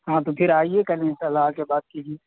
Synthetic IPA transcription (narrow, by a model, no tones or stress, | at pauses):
ɦãt̪opʰɪɾaːiekɐlẽɪ̃sɐlːaːkebaːd̪̚kiɦi